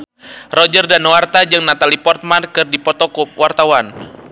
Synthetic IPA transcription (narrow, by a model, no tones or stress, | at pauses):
rɔd͡ʒərdanwart̪ad͡ʒɨŋnat̪alipɔrt̪̚mankɨrdipɔt̪ɔkup̚wʔart̪awan